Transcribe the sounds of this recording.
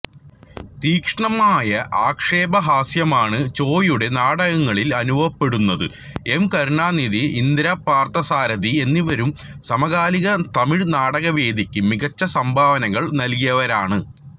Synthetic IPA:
t̪iːkʂɐɳɐmaːjɐʔaːkʂe̞ːbɐɦaːsjɐmaːɳɨt͡ɕo̞ːjuɽe̞naːɽɐɣɐŋːɐɭilɐnubʱɐʋɐpːe̞ɽunːɐðɨ̰ | e̞mkɐɾɳaːniðiind̪ɾapːaːrt̪ɐsaːɾɐðie̞nːiʋɐɾum | sɐmɐɣaːliɣɐt̪ɐmiɻnaːɽɐɣɐʋe̞ːd̪ʱikʲːɨmiɣɐt͡ɕːɐsɐmbʱaːʋɐnɐɣɐɭnɐlk̬ijɐʋɐɾaːɳɨ

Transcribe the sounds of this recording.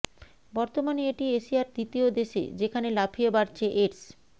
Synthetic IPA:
bɔɾt̪omanieʈieʃiaɾd̪it̪iod̪eʃḛd͡ʑekʰanelapʰiebaɾt͡ɕʰeʔeɾs

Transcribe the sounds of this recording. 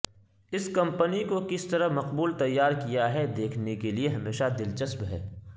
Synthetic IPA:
ɪskɐ̃mpənikokɪst̪ɐɾəmɐqbuːlt̪ɐjːaːɾkijaɦɛd̪eːkʰnekelieɦɐmeːʃad̪ɪlt͡ʃɐsbɦɛː

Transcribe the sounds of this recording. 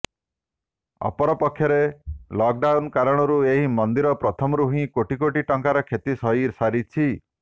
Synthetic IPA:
ɔ̰pɔɾɔpɔkʰːjɔɾelɔk̚ɖawnkaɾɔɽ̃ɔɾueɦimɔnd̪iɾɔpɾɔt̪ʰɔmɔɾuɦĩkoʈikoʈiʈɔŋkaɾɔkʰjet̪isɔɦiɾsaɾit͡ʃʰi

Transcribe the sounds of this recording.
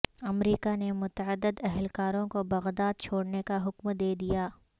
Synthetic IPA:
ɐmɾiːkanemʊt̪əəd̪ːɪd̪ɛɦɛlkaːɾõkobɐɣd̪aːd̪̚t͡ʃʰoːɽnekaɦʊkmd̪eːd̪ijaː

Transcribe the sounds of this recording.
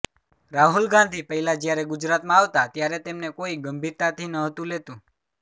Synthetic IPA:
ɾaɦulɡãnd̪ʱipəɦilad͡ʒjaɾɛɡʊd͡ʒɾat̪mãaʋt̪at̪jaɾet̪emnekoiɡəmbʱiɾt̪at̪ʰinəɦət̪ũlet̪ũ

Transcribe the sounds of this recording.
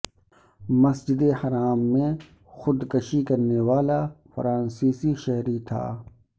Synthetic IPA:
mɐsd͡ʒɪd̪ehɐɾaːmːẽ | xʊd̪kɐʃikɐɾnewaːlafɐɾãːnsiːsiʃɐɦɾit̪ʰa̰ː

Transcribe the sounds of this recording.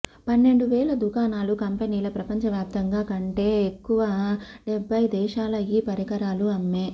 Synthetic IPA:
pɐnːe̞ɳɖuʋɛːlɐd̪ukaːnaːlukɐmpeniːlɐpɾɐpɐɲt͡ʃɐʋjaːp̚t̪ɐŋɡaːkɐɳʈe̞ːekːuʋɐɖebʱːɐjid̪ɛːʃaːlɐjiːpɐɾɐkɐɾaːluɐmːe

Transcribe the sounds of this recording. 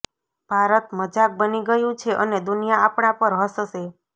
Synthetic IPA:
b̥ʱaɾət̪məd͡ʒak̚bəniɡəjũt͡ʃʰeʔəned̪unijaapɽ̃apəɾɦəsʃe

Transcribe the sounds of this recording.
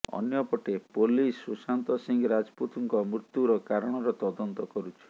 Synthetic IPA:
ɔ̰njɔpɔʈepolisusant̪ɔsiŋɡɔɾad͡ʒɔput̪uŋkɔmɾut̪juɾɔkaɾɔɽ̃ɔɾɔt̪ɔd̪ɔnt̪ɔkɔɾut͡ʃʰi̥

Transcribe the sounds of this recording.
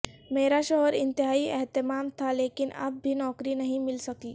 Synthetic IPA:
meːɾaʃɔɦɔɾɪnt̪ɪɦaːiɛɦt̪ɪmaːmt̪ʰaleːkɪnɐ̰b̚bʱinɔːkɾinɐɦĩmɪlsɐkiː

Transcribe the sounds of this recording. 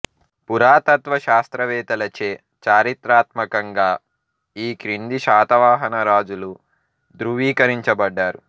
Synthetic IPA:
puɾaːt̪ɐt̪ʋɐʃaːst̪ɾɐʋɛːt̪ɐlɐt͡ʃeː | t͡ʃaːɾit̪ɾaːt̪mɐkɐŋɡaː | iːkɾind̪iʃaːt̪ɐʋaːɦɐnɐɾaːd͡ʒulu | d̪ɾuʋiːkɐɾiɲt͡ʃɐbɐɖːaːɾu

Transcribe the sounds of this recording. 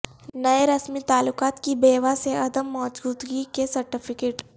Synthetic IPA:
nɐeɾɐsmit̪aːlːʊqaːt̪kibeːʋaseɐd̪əmːɔːd͡ʒɡuːd̪ɡikesɐɾʈɪpʰɪkeːʈ

